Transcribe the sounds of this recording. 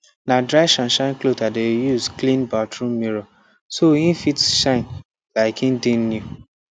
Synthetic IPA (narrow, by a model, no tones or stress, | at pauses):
nadɾaɪʃãnʃãɪ̃nklotadejusklĩnbatɹũmiɾo | soĩnfitʃãɪ̃n | laɪkĩndinnu